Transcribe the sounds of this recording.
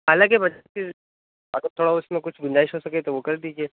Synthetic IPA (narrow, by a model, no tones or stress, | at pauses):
ɦaːlãkebɐd͡ʒase | ɐɡəɾt̪ʰoːɽaʊsmẽkʊt͡ʃʰɡʊnd͡ʒaːɪʃɦosɐket̪oʋokɐɾd̪iːd͡ʒieː